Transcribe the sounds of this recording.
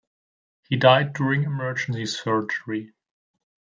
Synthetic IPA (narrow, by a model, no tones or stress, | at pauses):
hidaɪdjʊɹɪ̃ŋɨmɜ˞d͡ʒn̩sisfɜ˞d͡ʒə˞i